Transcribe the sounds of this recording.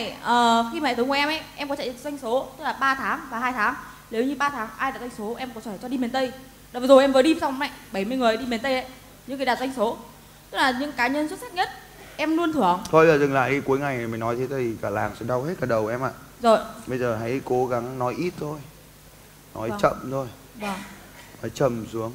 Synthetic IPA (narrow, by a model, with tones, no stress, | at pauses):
jʔəː˨˩xi˧m˨˩ɨ˨˦ŋkːɛ˧mʔɛ˨˦jʔɛ˧mkɔ˨˦t͡ɕa̰˧˨˩zwa˧jŋ̟so˨˦t̪ɨ˦˥k̚laː˨˩ɓaː˧t̪ʰaː˨˦ŋvaː˨˩ɦaː˧jt̪ʰaː˨˦ŋ | le˨˦wɲɨ˧ɓaː˧t̪ʰaː˨˦ŋʔaː˧jɗa˨˩t̚za˧ŋ̟so˨˦ʔɛ˧mkɔ˨˦t͡ɕːt͡ɕɔ˧ɗi˧me˨˩nt̪ə˧j | ɗaː˨˩zo˨˩jʔɛ˧mvəː˨˦jɗi˧˨˩sa˧wŋ͡mma̰˧˨jɓə˧˩jmɨ˧əjŋɨ˨˩əjɗi˧me˨˩nt̪ə˧jʔə˦j | ɲɨ̰˧˥kaː˨˦jɗa˨˩za˧jŋ̟so˨˦ | t̪ɨ˦˥k̚laː˨˩ɲɨ̰˧˥ŋkaː˨˦ɲə˧nswt̚saː˦˥t̚ɲə˦˥t̚ | ʔɛ˧mlu˧ənt̪ʰɨ˧˩əŋt̪ʰo˧˩jzəː˨˩zɨ˨˩ŋla̰ː˧˨jʔi˧ku˨˦əjŋa˨˩jmï̟˨˩nɔ˨˦jt̪ʰe˨˦t̪aː˨˩t̪ʰi˨˩kaː˧˩laː˨˩ŋsɛ̰˧˥ɗa˧whe˦˥t̚kaː˧˩ɗə˨˩wʔɛ˧mʔa̰ː˧˨ | zo˨˩jɓə˧jzəː˨˩ɦa˧˥jko˨˦ɣa˨˦ŋnɔ˨˦jʔi˦˥t̚t̪ʰo˧j | nɔ̰˨˦jt͡ɕə̰˧˨mt̪ʰo˧j | vaː˨˩ŋ | a˨˦t͡ɕə˨˩msu˨˦əŋ